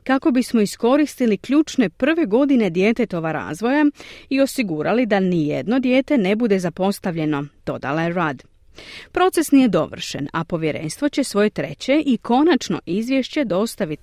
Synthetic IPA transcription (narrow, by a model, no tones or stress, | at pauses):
kako̞bismo̞isko̞ɾist̪ilikʎuːt͡ʃne̞pr̩ʋe̞ɡo̞d̪ine̞d̪je̞ːt̪e̞t̪o̞ʋaɾa̰ːzʋo̞jaio̞siɡuɾalid̪anijḛd̪no̞d̪je̞ːt̪e̞ne̞bud̪e̞zapo̞st̪aʋʎe̞no̞d̪̥o̞̰d̪a̰lajeɾaːd̪ | pɾo̞t̪e̞snije̞d̪o̞̰ʋr̩ʃe̞̰na̰po̞ʋjeɾe̞̰ːnst̪ʋo̞t͡ɕe̞sʋo̞je̞t̪ɾe̞̰t͡ɕe̞ʔikʰo̞nat͡ʃno̞̰ʔizʋʲjeʃt͡ɕe̞d̪o̞st̪aʋit̪